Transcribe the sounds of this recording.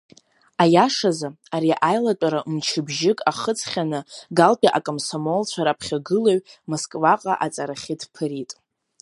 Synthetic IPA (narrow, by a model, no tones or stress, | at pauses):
ajaʂaza | aɾiʔajlatʷʼaɾamt͡ʃʰɪbʒɪkʼaχət͡sʰχʲanɨɡalpʲʼiʔakʼomsomolt͡ɕʷʰaɾapʰχʲaɡɨloɥmoskʼvaqʼa̰ʔat͡sʼaɾaχʲɪdʰpʰɨɾitʼ